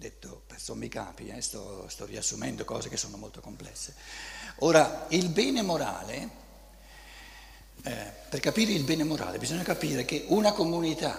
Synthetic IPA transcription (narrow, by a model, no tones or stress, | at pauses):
d̪et̪ːopersomːika̰ːpiɛst̪ɔst̪ɔriasːumɛnd̪okɔ̰ːzekesːoːnomolt̪o̥komplɛ̰sːeoːɾailbɛːnemoɾa̰ːle | perkapiːɾeilbɛːnemoɾa̰ːlḛbizoɲːakapiːɾek̟eʔunakomunit̪a